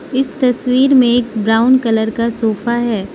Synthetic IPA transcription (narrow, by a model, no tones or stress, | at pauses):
ɪst̪ɐswiːɾmẽeːkbɾaːʊnkɐləɾkasoːfaɦɛː